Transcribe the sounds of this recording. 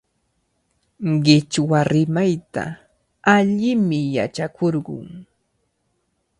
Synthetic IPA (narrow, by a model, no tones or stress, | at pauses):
ɢɪt͡ʃwaɾɪmajt̪a̰ | aʎɪmɪjat͡ʃakʰoɾɢʊ̰ŋ